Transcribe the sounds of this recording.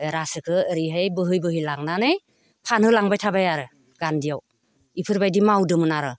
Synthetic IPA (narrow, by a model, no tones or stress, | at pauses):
ɾasɯkʰɯːɾiɦejbɯɦɯjbɯɦilaŋnanɯj | pʰanhɯlaŋbajtʰabajaɾɯ | ɡ̥andijaw | ipʰɯɾbajdimawdɯmɯnaɾɯ